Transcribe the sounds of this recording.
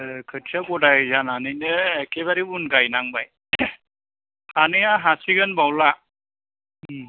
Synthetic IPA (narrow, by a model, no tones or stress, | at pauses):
kʰət͡ʃʰakoɽajd͡ʒananinəekeβaɾibunkajnaŋbaj | aniaɦasiɡənbawla